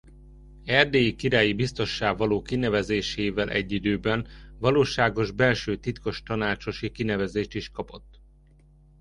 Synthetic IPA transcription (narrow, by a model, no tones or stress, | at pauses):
ɛrd̪eːjikiɾaːjibist̪o̞ʃːaːɡvɒloːkinɛvɛzeːʃeːvɛlʔɛ̰ɟːid̪øːbɛnvɒloːʃaːɡo̞ʒbɛlʃøːt̪it̪ko̞ʃt̪ɒnaːt͡ʃo̞ʃikinɛvɛzeːʃt̪iʃkɒpo̞t̪ː